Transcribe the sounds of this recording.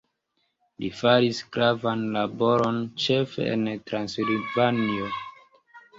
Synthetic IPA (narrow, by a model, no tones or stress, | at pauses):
lifaɾisɡɾavanlabo̞ɾo̞nt͡ʃe̞fḛḛntɾansilvanio